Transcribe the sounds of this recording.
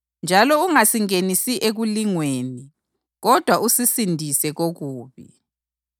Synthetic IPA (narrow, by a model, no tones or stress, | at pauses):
nd͡ʒʱalɔuŋasiŋenisiʔeɣuliŋweːni | ɣɔd̥ʱwaʔusisindʱisɛɣoɣuːβḭ